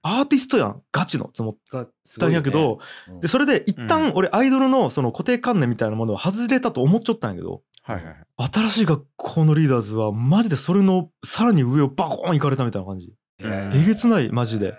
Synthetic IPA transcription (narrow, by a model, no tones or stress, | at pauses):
aːt̪ʲisɨ̥t̪o̞jã̰ŋɡ̥at͡ɕino̰t͡sɨmot̪ː | ãɰjak̬e̞d̪o̞d̪e̞so̞ɾe̞d̪e̞ʔit̪ːãŋo̞ɾe̞ʔaid̪o̞ɾɯ̟no̞so̞no̞ko̞t̪e̞ːkãnːẽ̞mʲːit̪ainamo̞no̞βahazɨɾe̞t̪at̪o̞ːmo̞t͡ɕːot̪ːãja̰ke̞d̪o̰ | at̪aɾaɕiːɡakʰːo̞ːnoɾʲiːd̪aːzɨβamaʑid̪e̞so̞ɾe̞no̞saɾaɲ̟iɯ̟e̞o̞bakõ̰ikaɾe̞t̪amʲit̪ainakʰãɲ̟d͡ʑḭ | eɡe̞t͡sɨnaḭmaʑid̪e̞̰